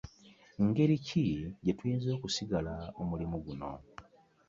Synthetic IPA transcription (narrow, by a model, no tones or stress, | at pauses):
ŋɡe̞ɾiciɟetwiːnzo̞ːkusiɡalaomulimuɡuno̞̰